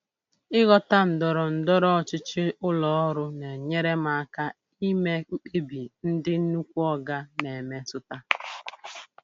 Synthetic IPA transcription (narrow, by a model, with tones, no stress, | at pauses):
ɪ˦ɣɔ˦ta˦n̩˨dɔ˨ɾɔ˨n̩˨dɔ˦ɾɔ˦ɔ˨t͡ʃɪ˦t͡ʃɪ˦ʊ˦lɔ˨ɔ˦ɾʊ˦ne˨ɲe˦ɾe˦ma˨a˦ka˦ | i˦me˦k͡p̩˦k͡pe˦bi˨n̩˦dɪ˦n̩˦nu˦kʷu˦ɔ˦ɡa˦ne˨me˦sʊ˦ta˦